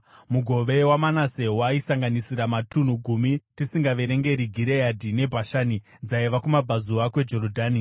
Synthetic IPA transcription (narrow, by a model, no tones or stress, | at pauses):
muɡʱo̞ʋe̞wamanase̞waisaŋɡanisiɾamatun̤uɡʱumitisiŋɡaʋe̞ɾe̞ŋɡe̞ɾiɡʱiɾejadʱine̞bʱaʃani | d͡zaiʋakumabʱazuakwe̞d͡ʒo̞ɾodʱaːni